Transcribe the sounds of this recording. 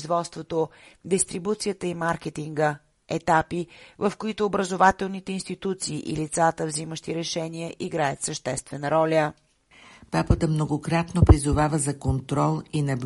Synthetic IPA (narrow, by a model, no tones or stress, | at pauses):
zvɔt̪st̪vot̪od̪ɛst̪ɾibut̪sijət̪əimaɾkɛt̪iŋɡə | ɛt̪apivəfkoit̪ʊːbɾəzovat̪ɛlˠnit̪ɛinst̪it̪ut̪siːʔilit̪sat̪əvziməʃt̪iɾɛʃɛniəʔiɡɾajət̪səʃt̪ɛst̪vɛnəɾɔlʲə | papət̪əmnoɡokɾat̪nopɾizʊvavəzɐkont̪ɾɔlˠinɐb